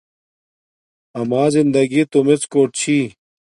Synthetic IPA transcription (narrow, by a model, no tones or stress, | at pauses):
ɐmaːzind̪ɐɡit̪omet͡skoːʈ̚t͡ɕʰi